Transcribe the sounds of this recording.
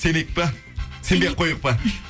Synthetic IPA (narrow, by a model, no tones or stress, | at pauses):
senek̚pɪ | sembeqʰojəq̚pə